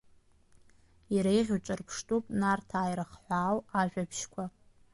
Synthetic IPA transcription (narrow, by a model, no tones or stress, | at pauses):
iɾajʁʲut͡ʃʼɨrpʰʂtʼupʼnartʰaːjɾɨχħʷaːwaʒᶣapʰʃkʷʰa